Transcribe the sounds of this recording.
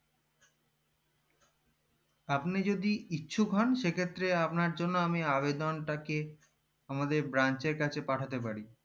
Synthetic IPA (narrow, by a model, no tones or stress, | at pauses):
apnid͡ʑod̪iitːɕʰukɦɔnʃekʰet̪ːɾeapnaɾd͡ʑonːoamiabed̪onʈake | amad̪eɾbɾant͡ɕeɾkat͡ɕʰepaʈʰat̪epaɾi